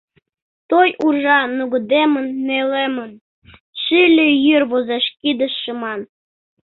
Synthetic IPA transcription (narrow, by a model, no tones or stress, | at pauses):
t̪ojʔurʒɑnuɣɤ̆d̪emə̆nːelemən | ʃilʲejyrβozeʃkid̪ə̆ʃːə̆mɑn